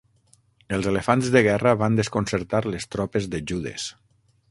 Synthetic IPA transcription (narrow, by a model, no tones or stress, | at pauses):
əlˠzelefanzðəɣ̞ɛrəβand̪əskonsəɾt̪aɾlest̪ɾɔpezðəʒuðḛs